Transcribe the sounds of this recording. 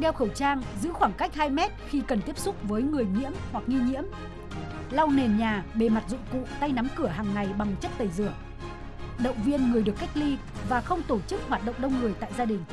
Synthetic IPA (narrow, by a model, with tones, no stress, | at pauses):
ɗɛ˧wxə˧˩wt͡ɕaː˧ŋzɨ̰˧˥xwaː˧˩ŋka˦˥jk̟̚haː˧jmɛ˦˥t̚xi˧kə˨˩nt̪i˦˥əp̚sʊ˦˥k͡p̚vəː˨˦jŋɨ˨˩əjɲḭ˧˥əmhwa˨˩k̚ŋi˧ɲḭ˧˥əm | la˧wne˨˩nɲaː˨˩ɓe˨˩ma˨˩t̚zʊ̰˧˨ŋ͡mkṵ˧˨t̪a˧jna˨˦mkɨ˧˩əɦaː˨˩ŋːa˨˩jɓa˨˩ŋt͡ɕə˦˥t̚t̪ə˨˩jzɨ˧˩əŋ | ɗə̰˧˨wŋ͡mvi˧ənŋɨ˨˩əjɗɨ˨˩əkːa˦˥jk̟̚li˧ | vaː˨˩xə˧wŋ͡mt̪o˧˩t͡ɕɨ˦˥k̚hwaː˨˩t̚ɗə̰˧˨wŋ͡mɗə˧wŋ͡mŋɨ˨˩əjt̪a̰ː˧˨jzaː˧ɗï˨˩ŋ̟